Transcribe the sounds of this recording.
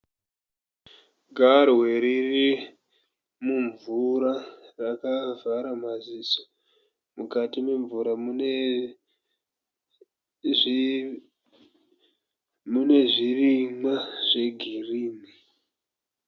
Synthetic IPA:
ɡʱarwe̞ɾiri | muɱvuɾarakavaɾamaziso̥ | mukatime̞ɱvuɾamun | mune̞ʐirimaʐ̥e̞ɡʱiriːmi

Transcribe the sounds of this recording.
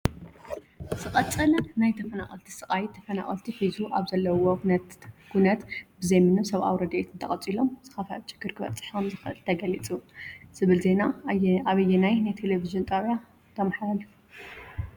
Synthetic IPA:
sɨqʼɐt͡sʼɐlɐnajt̪ʰɐfɐnaχʼɐlt̪ʰi̥sɨχʼajt̪ʰːɐfɐna̰χʼɐ̰lt̪ʰifizuʔaβzɐlːɐwo | ɡ̥unɐt̪bɨzejmɨnomsɐβʔa̰wɾɐd̪ʔet̪ʰɨnt̪ʰɐχʼɐt͡sʼilo̞mz̥ɨxɐfɐt͡ʃːɨ̥ɡɨɾkʰɨβɐ̰t͡sʼɨ̥ħomzɨxɨʔɨlt̪ʰɐɡɐlit͡sʼuz̥ɨβɨlze̞naaβɐjːɛnajnajt̪ʰeleviʒɨnt̪ʼɐβa | t̪ʰɐmħaɾalif

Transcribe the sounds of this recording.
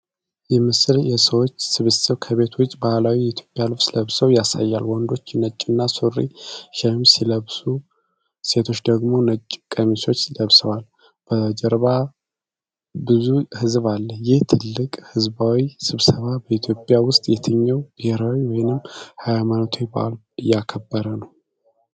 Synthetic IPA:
jɛmɨsɨljɛsəwo̞t͡ʃːsɨβet̪sɨβkʰəβe̞t̪ʰwʊt͡ʃːʼbahlawijɛit̪ʰjopʼjalɨfsləβsəwjasa̰jːalwɔnd̪o̞t͡ʃːnːət͡ʃʼːɪnːasurːḭʃɛmsiləβsu | se̞t̪ʰo̞t͡ʃːd̪əɡmo̞nət͡ʃʼːkʼəmiso̞t͡ʃːləβsəwal | b̥əd͡ʒɛɾβa | bɨzuhɨzβalːəjɪht̪ʰɨlːɨkʼhɨzbawisɨβsəβabəit̪ʰjo̞pʼjawʊst̪ʼjɛt̪ʰəɲːɛwɡeɾawiwɔjnɨmːhajmanot̪ʰojba̰l | ɨjakʰəbːəɾənəw

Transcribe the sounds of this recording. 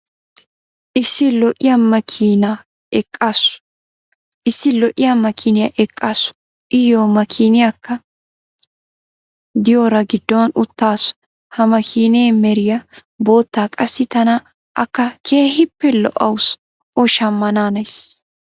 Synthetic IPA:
ʔɪsːɪlɔʔɪjɐmɐkʰiːna | ɛkʼːaːsʊ̥ | ʔɪsːɪlɔʔɪjamɐkʰinɪja̰ʔɛkʼːaːsʊ̥ | ʔɪjomɐkʰiːnɪjakːɐ | d̪ɪjoːɾɐɡɪd̪ːɔwɐnʊt̪ːaːsʊ̥ | hɐmɐkʰiːneːmɛɾɪjɐ | bo̞ːt̪ːaːkʼɐsːɪt̪ɐnɐ | ʔɐkːɐkʰe̞ːhɪpːɛlɔ̰ʔɐws | ʔɔʃɐmːɐnaːnɐjs

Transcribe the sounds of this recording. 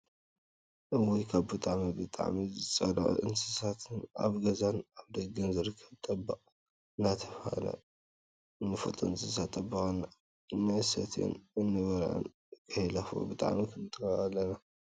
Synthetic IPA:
ʔɨwojkʰaβbɨt̪ʼaʕmibɨt̪ʼa̰ʕmizɨt͡sʼɐlɐ̰ʔʼʔɨnsɨ̥sat̪ʰɨna̰βɡɐzanaβd̪ɐɡɨnzɨɾɨkʰːɐβt̪ʼɐbːaʔʼ | ɨnat̪ʰɐfa̰lɐ̰ | ɨnːɨfɐ̰t̪ʼɐɨnsɨs̬at̪ʼːɐbːɐkʼɐnːa | nːasɐt̪ʰḛnɨnːɨβɐɾʕɨ̰n | kʰʼɐjlafo̰bɨt̪ʼa̰ʕmikʰɨnt̪ʰɨkɐalːɐna

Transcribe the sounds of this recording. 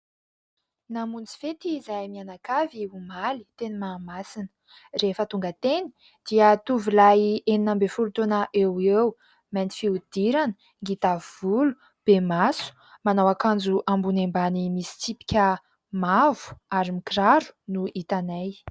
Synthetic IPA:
namunt͡si̥fet̪iːzajmianakaviumali̥t̪enimamasinə̥ | refət̪uŋɡət̪eni̥ | d̪̥iət̪uvilajeninambefulut̪onaʔewew | mant̪i̥fiud̪̥iɾanə | ŋɡit̪avvulu̥ | b̥emasu̥ | manawakand͡zuʔambunembanimisi̥t͡sipi̥kʲə | mavu̥aɾimikiɾaɾu̥nuit̪anaj

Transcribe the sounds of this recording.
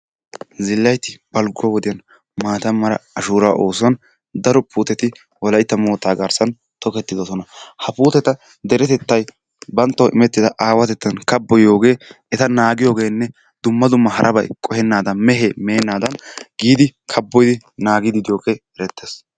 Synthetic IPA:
zɪlːɐjt̪ɪb̥ɐlɡʊwɐwɔd̪ɪjɐn | maːt̪ɐmːɐɾɐ̰ɐʃuːɾaːʔo̞ːsʊɐn | d̪ɐɾɔpuːt̪ɛt̪ɪ | wɔlɐjt̪ːɐmoːt̪ːaːɡɐɾsɐn | t̪ɔkɛt̪ːɪd̪ɔsɔnɐhɐpuːt̪ɛt̪ɐ | d̪ɛɾɛt̪ɛt̪ːɐj | bɐnt̪ːɐʔɪmɛt̪ːɪd̪ɐʔaːwɐt̪ɛt̪ːɐnkɐbːɔjo̞ːɡe̞ː | ɛt̪ɐnaːɡɪjoːɡe̞ːnːɛ | d̪ʊmːɐd̪ʊmːɐhɐɾʔɐbɐjkʼɔhɛnːaːd̪ɐnmɛɦeːmeːnːaːd̪ɐnɡiːd̪ɪkʰɐbːɔjd̪ɪnaːɡɪd̪ɪd̪ɪjo̞ːɡeːɛɾɛt̪ːeːs

